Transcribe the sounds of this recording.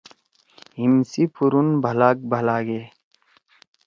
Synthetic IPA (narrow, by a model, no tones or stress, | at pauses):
ɦimsipʰuɾunbʱɐlaːk̚bʱəlaːɡe